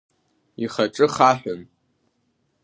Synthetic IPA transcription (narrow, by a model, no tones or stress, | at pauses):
iχaʈ͡ʂʼɨχaħʷᶣʊn